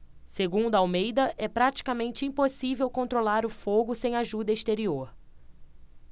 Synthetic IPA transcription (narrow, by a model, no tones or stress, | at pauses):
seɡũnd̪ʊɐawmejd̪ɐʔɛpɾat͡ʃi̥kamẽnt͡ʃɪĩposivewkõnt̪ɾolaɾʊfoɡʊsẽj̃aʒud̪ɐist̪eɾioɾ